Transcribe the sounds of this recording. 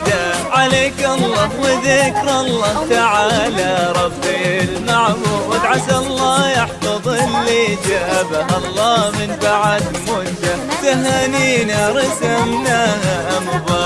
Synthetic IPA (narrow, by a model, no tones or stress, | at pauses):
d̪aʕaleːkʔɑlˤːɑːwɪðɪkɾˤʔɑlˤːɑːt̪aʕaːlaɾˤɑbːɪlmaʕmuwad̪ʕasalˤːɑːjaħfɑðˤɨlːid͡ʒaːbaɦʔɑlˤːɑːmɪnfaʕad̪mʊnt̪at̪aɦaniːnaɾˤɪsamnaːɦamʊbaː